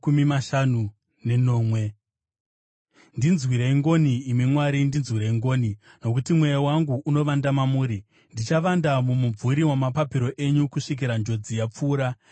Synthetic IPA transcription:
kumimaʃanu | ne̞no̞ːmwe̞ | ndinzwiɾeiŋɡo̞niːmimwaɾindinzwiɾeiŋɡo̞ːni | no̞kutimwejawaŋɡuʔːno̞ʋandamamuːɾi | ndit͡ʃaʋandamumub͡vuɾiwamapapiɾo̞ʔe̞ɲukuʂik̬iɾand͡ʒo̞d͡zijap͡fuːɾa

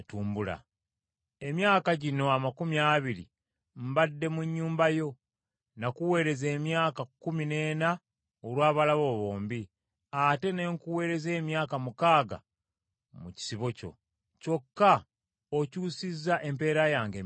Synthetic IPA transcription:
tuːmbula̰ | e̞mjaːkaɟino̞amakumiaːβiɾḭ | m̩badːe̞muɲːuːmbajo̞ | nakuwe̞ːɾe̞ze̞ːmjaːkakːumine̞ːna | olwaːβalaβo̞βo̞ːmbi | ate̞ne̞ːŋkuwe̞ːɾe̞ze̞ːmjaːkamukaːɡa̰ | muci̥siβo̞co̞̰ | co̞kːa | ocuːsizːaʔe̞mpe̞ːɾajaːŋɡeː

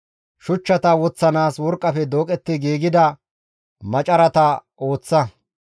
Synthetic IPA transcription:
ʃʊt͡ʃːɐt̪ɐwɔt͡sːɐnaːswɔɾkʼːɐfɛd̪oːkʼɛt̪ːɪɡiːɡɪd̪ɐ | mɐt͡ʃʼɐɾɐt̪ɐ | o̞ːt͡sːɐ

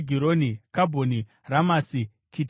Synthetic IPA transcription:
ɡʱiɾonikabʱoni | ramasi | kʰit

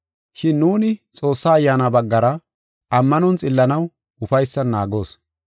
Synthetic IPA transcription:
ʃɪnːuːnɪt͡sʼo̞ːsːaːjːaːnɐbɐɡːɐɾɐ | ɐmːɐnɔnt͡sʼɪlːɐnɐw | ʊfɐjsːɐnaːɡo̞ːs

